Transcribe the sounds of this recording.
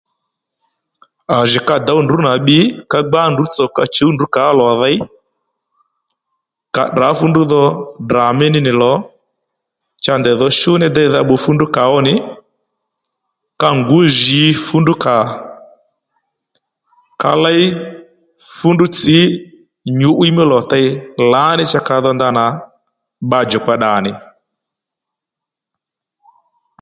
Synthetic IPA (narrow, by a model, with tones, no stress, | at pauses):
a˨ʒi˨ka˧d̪a˨˦u˦˨ndu˨˦na˨ɓɪ˨˦ka˧ɡ͡ba˦ndu˨˦t͡sɔ˨ka˧t͡ʃo˨˦ndu˨˦ka˨˦lɔ˨ða˦j | ka̰˨da˨˦fu˦ndu˦ðɔ˧dra˨mɪ˦nɪ˦nɪ˨lɔ˨˦ | t͡ʃa˧nd̪ɛ˨ðɔ˧ʃʊ˦nɛ˦d̪ɛ˦˧jða˧ɓo˧fu˦ndu˦ka˨ɔ˦nɪ˨ | ka˦ŋɡu˨˦ʒi˨˦fu˦ndu˦ka˨ | ka˧la˦j | fu˦ndu˦t͡si˨˦ | ɲu˨˦ʔwi˦mɪ˦lɔ˨ta˦i˦la˨˦nɪ˦t͡ʃa˦ka˨ðɔ˦nd̪a˦na˨ | ɓa˦d͡ʒɔ˨kwa˦ɗa˨nɪ˨